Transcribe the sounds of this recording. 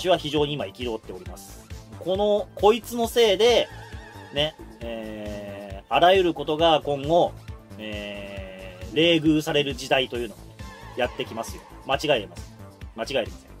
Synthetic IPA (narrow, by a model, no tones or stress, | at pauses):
ɕiβ̞açiʑo̞ːɲ̟iːmaikʲiɾo̞ːt̪ːe̞o̞ɾʲimasɨ̥ko̞no̞ko̞it͡sɨno̞se̞ːd̪e̞ | neeː | aɾajɯ̟ɾɯ̟ko̞t̪o̞ɡakõ̞ŋɡo̞eː | ɾe̞ːɡɯ̟ːsaɾe̞ɾɯ̟d͡ʑid̪ait̪o̞jɯːno̞ojat̪ːe̞kʲimasɨjo̞̰mat͡ɕiɡaeɾemasɨ̥mat͡ɕiɡaeɾemḁ̰so̰